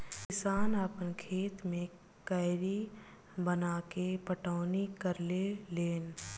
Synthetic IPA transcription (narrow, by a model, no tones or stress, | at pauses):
kɪsaːnaːpənkʰeːt̪mẽ | kəɪɾi | bənakepəʈaːnikəɾleleːn